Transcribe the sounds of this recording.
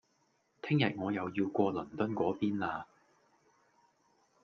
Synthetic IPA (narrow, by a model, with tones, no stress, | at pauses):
t̪ʰɪ˥ŋjɐ˨t̚ŋɔː˨˧jɐ˨˧wjiː˧wkʷɔː˧lɵ˨˩nt̪ɵ˥nkʷɔː˨˥piː˥nlaː˧